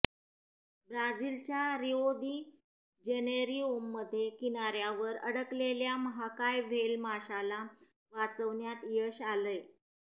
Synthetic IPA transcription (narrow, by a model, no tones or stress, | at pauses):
bɾad͡zilt͡ɕjaɾiod̪iː | d͡ʑeneɾiomːəd̪ʱːjekinaɾjaʋəɾəɽəkleljaməɦakajʋ̤ʱelmaɕala | ʋat͡səʋɳjat̪jəɕaləj